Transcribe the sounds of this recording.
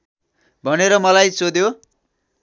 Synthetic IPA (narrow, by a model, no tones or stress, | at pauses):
bʱʌneɾʌmʌlajsod̪jo